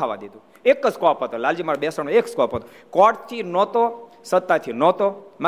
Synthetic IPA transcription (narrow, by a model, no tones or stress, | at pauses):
aʋã̰d̪ed̪ũ | ekskɔpɦət̪olald͡ʒimaɾobɛsənõekskɔpɦət̪o | kɔʈt̪ʰinɔt̪o | sət̪ːat̪ʰinɔt̪oma